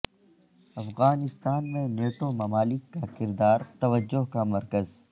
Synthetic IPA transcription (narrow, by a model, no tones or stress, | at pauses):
ɐfɣaːnɪst̪aːnmẽneːʈomɐmaːlɪkːakɪɾd̪aːɾt̪ɐʋəd͡ʒːʊɦkamɐɾkəz